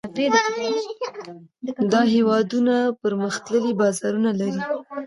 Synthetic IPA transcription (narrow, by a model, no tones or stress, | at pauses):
ped̪ | d̪ɑɦewɑd̪unapəɾməxt̪ləlibɑzɑɾunalaɾi